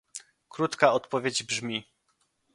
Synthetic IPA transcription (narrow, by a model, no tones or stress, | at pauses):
kɾut̪kaɔt̪pɔvʲjed͡ʑbʐmʲi